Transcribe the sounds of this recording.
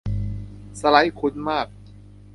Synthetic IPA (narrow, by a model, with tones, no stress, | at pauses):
sa˧la˦jkʰu˧˥nmaː˥˩k̚